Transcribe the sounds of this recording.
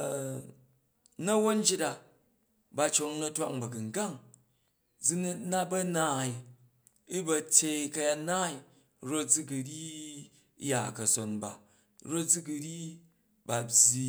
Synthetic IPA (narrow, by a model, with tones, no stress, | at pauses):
nɐ˦wo˦n˦d͡ʒi˦ta˨ | ba˧t͡ʃo˧ŋnɐ˦˧tʷa˦ŋbɐ˨ɡɨ˨ŋ˨ɡa˦˨ŋ | d͡zi˦n˦na˦bɐ˦naː˨˦i˨ | i˦bɐ˧tʲe˧ikɐ˧ja˧tnaː˦i˨ | ɾo˦t̚d͡zi˦ɡu˨ɾʲi˦ | ja˨kɐ˨so˨nba̰˨ | ɾo˦t̚d͡zi˦ɡu˧ɾʲi˦ | ba˨bʲi˧